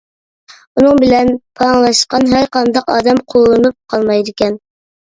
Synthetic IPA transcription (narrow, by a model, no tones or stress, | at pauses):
unɨŋbɪlɛnpʰɑŋlˠɑʃqɑnɦæɾqɑnd̪ɑqɑːd̪ɛmqʰolˠːɨnup̚qʰɑlˠmɑjd̪ɪkʲɛn